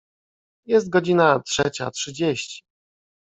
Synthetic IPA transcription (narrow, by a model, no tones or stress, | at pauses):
jɛs̬t̪̚ɡɔd͡ʑinatʂɛt͡ɕa̰tʂɘd͡ʑeɕt͡ɕi̥